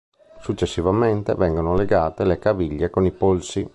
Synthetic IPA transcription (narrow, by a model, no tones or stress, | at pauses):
sut͡ʃːesːivament̪evɛŋɡonoleɡaːt̪elekaviʎːekonipolsi